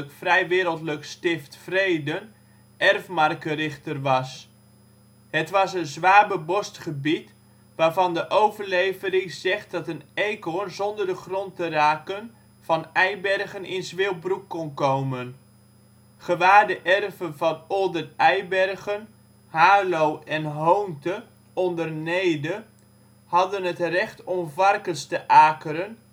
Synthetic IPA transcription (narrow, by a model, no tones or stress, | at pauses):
əkfrɛjʋɪːɾəlˠtləkstɪftfrejdən | ʔɛrfmɑrkərɪχtərʋɑs | ɦətʋɑsənzʋaːbəbɔstχəbit | ʋaːɹvɑndəʔowvərlejvəɾɪŋz̥ɛχt̚dɑtənejkonzɔndəɹdəχrɔntəraːkən | v̥ɑnɛjbɛrχənʔɪnzʋɪlˠbrukːɔnkowmən | χəʋaːɹdəʔɛrvənvɑnolˠdəɛjbɛrχən | haːlowɛnɦowntə | ɔndərnejdə | hɑdənɦətrɛχtɔmvɑrkənstəʔaːkəɾən